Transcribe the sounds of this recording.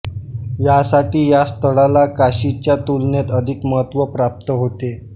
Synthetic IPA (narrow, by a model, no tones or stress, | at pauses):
jasaʈiːjast̪ʰəɽalakaɕit͡ɕjat̪ulnet̪əd̪ʱikməɦət̪ʋəpɾap̚t̪əɦot̪e